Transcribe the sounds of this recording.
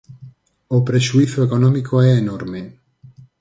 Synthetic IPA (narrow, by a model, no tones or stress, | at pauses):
opɾeʃuiθoekonɔmikʰoɛenoɾme